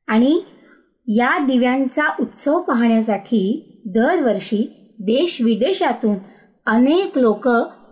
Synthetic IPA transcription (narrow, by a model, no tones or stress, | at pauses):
aɽ̃i | jad̪iʋjãɲt͡saʔut̪səʋpaɦɳjas̬aʈʰiː | d̪əɾʋəɾɕiː | d̪eɕʋid̪eɕat̪uːn | əneklokə